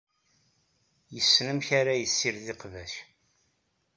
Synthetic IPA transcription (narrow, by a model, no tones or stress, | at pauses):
jəsːnəmçaɾajəsːiɾðɪqvæʃ